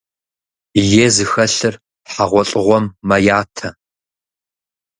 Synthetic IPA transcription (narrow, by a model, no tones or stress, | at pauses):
jeːzɨxɐɬɨr | ħaʁʷɔɬʼɨʁʷɔmːɐjaːtʰɐ